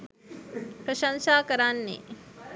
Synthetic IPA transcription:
pɾɐʃɐnsaːkɐɾanːḛ

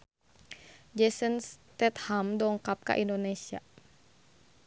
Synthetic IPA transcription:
d͡ʒɛsənst̪ɛt̪hamdɔŋkap̚ka̰ʔindonesia̰

